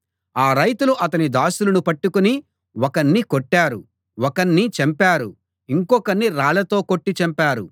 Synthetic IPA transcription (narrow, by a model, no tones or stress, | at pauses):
aːɾɐjt̪uluʔɐt̪̬ɐnid̪aːsulɐnupɐʈːukuni | wɔkɐɳːikoʈːaːɾu | wɔkɐɳːit͡ʃɐmpaːɾu | iŋkɔkɐnːiɾaːɭɐt̪o̞ːkoʈːit͡ʃɐmpaːɾu